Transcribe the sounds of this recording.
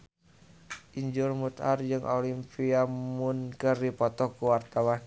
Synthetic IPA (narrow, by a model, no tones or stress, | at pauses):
ʔiɲd͡ʒurmut̪a̰rd͡ʒɨŋʔolimpiamunkɨrdipɔt̪ɔkuwart̪awan